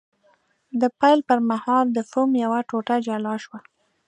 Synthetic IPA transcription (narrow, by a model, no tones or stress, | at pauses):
d̪əpajlpəɾmahɑld̪əfomjawaʈoʈad͡ʒalɑʃwa